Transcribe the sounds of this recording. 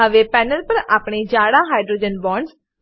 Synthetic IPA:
əʋeːpɛːnəlpəɾaːpɳeːd͡ʒaːɽaːɦaːɪɖɾoːd͡ʒənbɔːɳɖs

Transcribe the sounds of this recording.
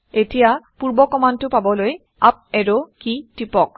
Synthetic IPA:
etijapuɹbɔkɔmantʊpabɔloj | ap̚ɛɹokitipɔk̚

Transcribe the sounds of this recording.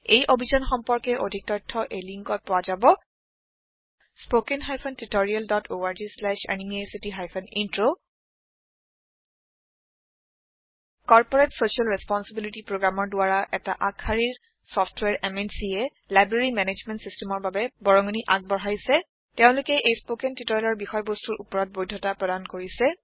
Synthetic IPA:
ejʔobʱizɔnxɔmpɔɹkɛʔodʱik̚tɔjtʰːɔʔejliŋkɔt̚pʊwazabɔ | spokenxajpʰɔntitoɹialdɔtʰoaɹd͡ʒislɛʃa̰nimiesitiɦajpʰɔnintɹo | kɔɹpɔɹetsoʃialɹɛspɔnsibilitipɹoɡɹamɔɹdʊaɹaʔɛtaʔakʰxaɹiɹ | sɔfʰtʰwɛɹʔɛmɛnsiɛ | lajbɹeɹimɛned͡ʒmɛntsistɛmɔɹbabɛbɔɹɔŋɔniʔak̚bɔɹajsɛ | tɛʊ̃lʊkɛʔejspokentitoɹalɔɹbixɔjbostuɹʔupɔɹɔt̚bojdʱːɔtapɹɔdankoɹisɛ

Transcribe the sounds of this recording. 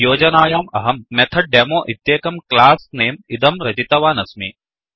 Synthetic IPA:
joːd͡ʒɐnaːjaːmɐɦɐmːɛt̪ʰɐɖemoːʔit̪jeːkɐmklaːsneːmid̪ɐmɾɐd͡ʒit̪ɐʋaːnɐsmiː

